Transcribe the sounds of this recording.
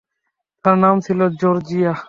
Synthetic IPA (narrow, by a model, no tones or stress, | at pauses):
t̪ʰənaːmsʰiloːd͡ʒoːɾd͡ʒiːaː